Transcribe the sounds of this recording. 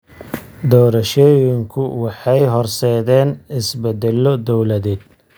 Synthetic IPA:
d̪ɔːɾɐʃɔːjɪŋkʰʊwɑħɑjɦɔrsɛːðɛːnɪsbɛd̪ɛlɔd̪ɔwlɐðɛːd̪̚

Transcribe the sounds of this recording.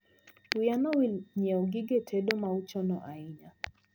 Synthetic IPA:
ujanɔwilɲɛɔɡiɡɛtʰɛɗɔmaut͡ʃɔnɔʔaiɲa

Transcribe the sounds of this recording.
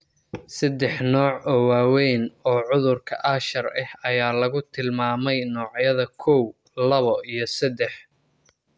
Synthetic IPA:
sɐd̪ɛħnɔːʕɔːwaːwɛjnɔːʕʊðʊrkʰɐ̰ʔɐʃɐrɐhɐjaːlɐɣʊt̪ʰɪlmaːmɛjnɔːʕjɐðɐkʰɔw | lɐβɔʔijɞsɐd̪ɛħ

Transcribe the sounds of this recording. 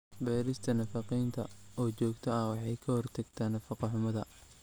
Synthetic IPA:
bɛːɾɪst̪ʰɐnɐfɑqijnt̪ʰɐɔːt͡ʃɔːɡt̪ʰɐɐhwɑħɑjkʰɐhɔrt̪ʰɐɡt̪ʰaːnɐfɑqɑħʊmɐðɐ̰

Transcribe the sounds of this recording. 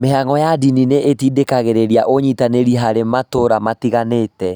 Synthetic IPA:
meɦaŋɔjadinineʔetidekaɣeɾeɾiaʔoɲitaneɾiɦaɾematoɾamatiɣanetɛ

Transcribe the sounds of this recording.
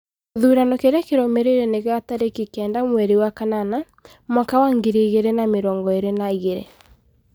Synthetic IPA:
ðuːɾanɔkeɾeakeɾɔmeɾeɾeneɣataɾekikɛːndamwɛɾewakanana | mɔkawaŋɡeɾeɣeɾenameɾɔːŋɡɔeɾenaiɣeɾɛ̰

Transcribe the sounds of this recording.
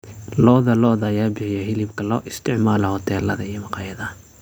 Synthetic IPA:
lɔːðɐlɔːðajaːbɪħɪjɛhɪlɪbkʰɐlɔːʔɪst̪ʰɪʕmaːlɐhɔt̪ʰɛːlɐðɐijɔmɑqɑjɐðɐ

